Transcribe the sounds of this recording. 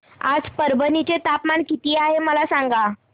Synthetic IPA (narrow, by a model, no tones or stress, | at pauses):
a̰d͡zpəɾbənit͡set̪apmaɳkit̪iːaɦeməlasaŋɡa